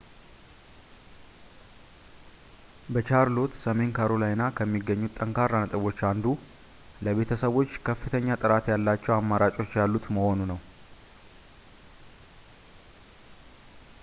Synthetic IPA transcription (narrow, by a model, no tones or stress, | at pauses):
bət͡ʃaɾlo̞t̪səme̞nkʰaɾolajnakʰəmːiɡːəɲːut̪ʼːəŋkʰaɾanət̪ʼəβo̞t͡ʃːand̪u | ləβe̞t̪ʰəsəβo̞t͡ʃːkʰəfːɨt̪ʰəɲːat̪ʼɨɾat̪jalːat͡ʃːɛwamːaɾat͡ʃʼo̞t͡ʃːjalːut̪məho̞nunəw